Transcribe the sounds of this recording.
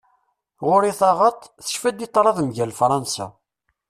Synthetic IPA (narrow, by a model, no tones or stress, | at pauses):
ʁʊɾiθɑʁɑt̪ˤθə̥ʃfæd̪it̪ˤːɾˤɑðmʝælfɾˤɑnsa̰